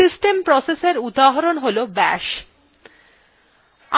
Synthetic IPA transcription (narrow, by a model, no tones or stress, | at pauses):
isʈempɾɔseseɾud̪aɦaɾonɦolobɛ̰ʃ | a